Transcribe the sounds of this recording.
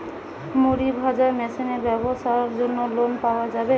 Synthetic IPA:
moɾibʱad͡ʑaɾmɛsinebɛbosaoɾd͡ʑonːolonpaoad͡ʑabe

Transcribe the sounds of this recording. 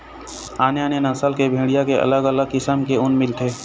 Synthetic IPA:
aːnjanenəsəlkebʱeːɽijakeʔɐ̰ləɡələɡ̚kɪsəmkeʊnmɪlt̪ʰeː

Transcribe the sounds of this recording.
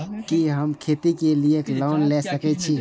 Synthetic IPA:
kiɦəmkʰeːt̪ikelieklɔːnlesəkɛt͡ʃʰi

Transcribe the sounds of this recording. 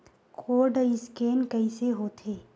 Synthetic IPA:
kʰoːɾɖɪskeːnkɐɪseɦoːt̪ʰeː

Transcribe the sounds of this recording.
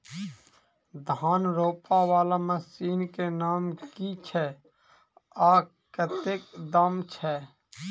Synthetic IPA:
d̪ʱaːnɾoːpawaːlaməsiːnkenaːmkit͡ʃʰɛː | aː | kət̪eːk̚d̪aːmt͡ʃʰɛː

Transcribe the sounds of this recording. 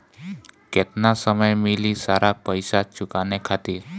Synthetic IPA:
kɛt̪nasəməjmilisaɾapəjsat͡ʃukanekʰat̪iɾ

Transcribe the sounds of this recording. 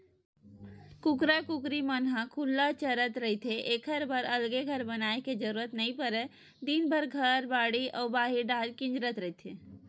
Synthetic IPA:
kukɾəkukɾimənɦãkʰulːat͡ʃəɾət̪ɾəɦit̪ʰeʔekʰəɾbʱəɾəlɡeɡʱəɾbənaeked͡ʒəɾuɾət̪nəĩpəɾɛ | d̪inbʱəɾɡʱəɾbaɽiʔɔbaɦiɖalkĩnd͡ʒɾət̪ɾəɦit̪ʰe

